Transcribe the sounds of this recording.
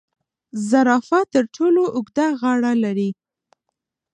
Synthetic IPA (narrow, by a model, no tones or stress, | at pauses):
zaɾɑfat̪əɾʈʰoloʔʊɡd̪aɣɑɽalaɾi